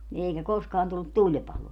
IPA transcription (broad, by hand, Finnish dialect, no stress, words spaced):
ni eikæ koskɑːn tulːut tulʲpɑloː